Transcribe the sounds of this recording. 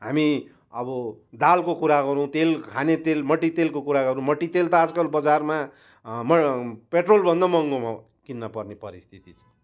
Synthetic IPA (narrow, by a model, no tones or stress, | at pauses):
ɦami | ʌbʌd̪alkokuɾaɡʌɾuw̃t̪elkʰanet̪elmʌʈːit̪elkokuɾaɡʌɾũmʌʈːit̪elt̪ad͡zkʌɾbʌd͡zarma | mʌpeʈrolbʱʌnd̪ʌmʌŋɡoma | kinːʌpʌrnepʌɾist̪ʰit̪it͡sʰʌ̥̃